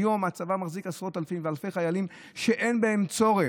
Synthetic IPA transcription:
jo̞mat͡savamaχzikasʁo̞t̪alafimvealfe̞jχajalimʃe̞ʔenbae̞mt͡so̞ʁe

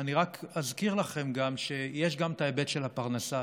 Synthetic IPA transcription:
aniʁakazkiʁlaχe̞mɡamʃe̞jeʃ̬ɡamt̪aebe̞t̪ʃe̞lhapaʁnasa

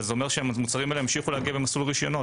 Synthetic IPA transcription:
zeomeʁʃeamut͡saʁimaeleemʃiχulehaɡiabemasulʁiʃjono

